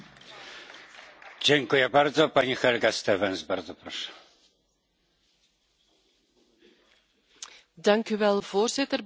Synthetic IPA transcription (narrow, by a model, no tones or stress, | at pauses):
d͡ʑɛŋkujɛbaɾd̪zɔpaɲixɛlɡast̪ɛvɛnsbaɾd̪zɔpɾɔʂɛ̥ | dɑŋkyʋɛlˠv̥oːrzɪt̪ər